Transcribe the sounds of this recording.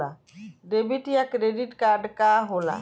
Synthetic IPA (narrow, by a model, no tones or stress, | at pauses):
a | ɾebiʈijakɾeɖiʈkaɾɖkaɦola̰